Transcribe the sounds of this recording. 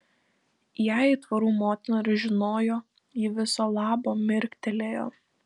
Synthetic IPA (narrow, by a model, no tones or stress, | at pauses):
jæˑit̪ʋɐɾuːmoːt̪ʲɪnoːɾʲʊʒʲɪnoːjoː | jɪʋʲɪsoːlˠɑːboːmʲɪɾʲkt̪ʲɛlʲeːjo̰ː